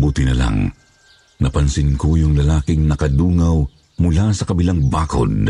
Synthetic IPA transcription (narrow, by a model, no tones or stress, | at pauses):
buːt̪ɪnɐla̰ŋ | nɐpɐnsɪnkojʊŋlɐlaːkɪŋnɐkɐd̪uːŋaw | mʊlasɐkɐbilaŋbaːko̰d̪̚